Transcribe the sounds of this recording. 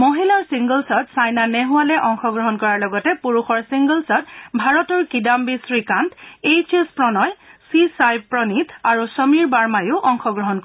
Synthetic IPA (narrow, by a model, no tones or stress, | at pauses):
moɦilaɹsiŋɡəlsɔtsajnanɛɦʊwalɛʔɔŋxɔɡɹɔɦɔnkɔɹaɹlɔɡɔtɛpuɹuxɔɹsiŋɡəlsɔtbʱaɹɔtɔɹkidambisɹikantejt͡ʃespɹɔnɔjsisajbpɹɔnit̪ʰaɹusəmiɹbaɹmajʊʔɔŋxɔɡɹɔɦɔnkɔ